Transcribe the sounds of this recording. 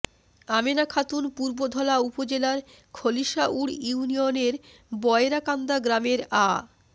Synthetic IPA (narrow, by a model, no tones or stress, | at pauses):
amenakʰat̪unpuɾbod̪ʱɔlaupod͡ʑelaɾ | kʰoliʃaʔuɽjuunioneɾ | bɔeɾakand̪aɡɾameɾa